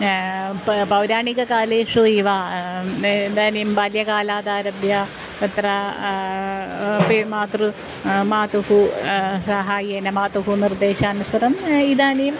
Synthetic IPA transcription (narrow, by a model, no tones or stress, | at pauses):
pɐwɾaːɳiɣɐkaːleʂuiʋa | end̪aːnejumpɐljɐkaːlaːd̪aːɾɐbjɐ | et̪rɐ | pemaːt̪rɨ | maːt̪uhusɐɦaːjienɐmaːt̪uɦunird̪e̞ːɕɐːnusɐɾɐmiðaːnejum